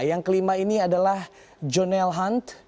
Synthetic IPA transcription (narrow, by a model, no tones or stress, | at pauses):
jaŋkəlimainiadalah | d͡ʒonɛlɦant̪